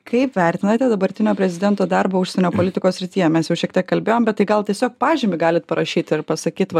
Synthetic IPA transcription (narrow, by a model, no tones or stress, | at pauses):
kɐɪpʋʲɛɾʲt̪ʲɪnɐt̪ʲɛd̪ɐbɐɾʲt̪ʲɪnʲoːpʲɾʲɛzʲɪd̪ʲɛnt̪oːd̪ɑɾboːʊʃsʲɛnʲoːpoːlʲɪt̪ʲɪkoːssʲɾʲɪt̪ʲijɛmʲɛsjɛʊʃʲiɛkt̪ʲiɛkkɐlʲbʲeːjoːmbʲɛt̪̚ːɐɪɡɐlˠt̪ʲiɛsʲoːkpɑːʒʲɪmʲɪɡɑːlʲɪt̪̚pɐɾɐʃʲiːt̪ɪɾpɐsɐkʲiːt̪ʋɐ